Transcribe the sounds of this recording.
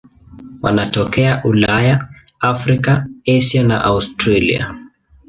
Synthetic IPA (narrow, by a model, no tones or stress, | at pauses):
wa̰natɔkɛaʔulaja | afɾikaɛʃiana̰ʔaustɾalḭa̰